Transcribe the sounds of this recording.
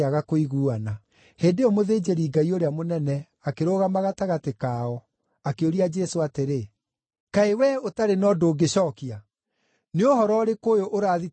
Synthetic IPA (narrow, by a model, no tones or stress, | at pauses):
aɣakoiɣuːana | heːndeɔmoðeːd͡ʒeɾiːɡaioɾeamonɛnɛ | akeɾoɣamaɣataɣatekaɔ | akeoɾiad͡ʒɛsoateɾe | kaewɛotaɾenɔdoːɡeɕɔːkia | neohɔɾɔɾekojoʔoɾaːði